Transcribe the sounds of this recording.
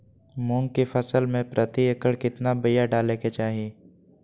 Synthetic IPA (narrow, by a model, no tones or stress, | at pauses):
mõːŋɡkefʰəsəlmẽpɾʔət̪iɐkəɽkɪt̪nabəjaɖaːleket͡ʃaːɦieː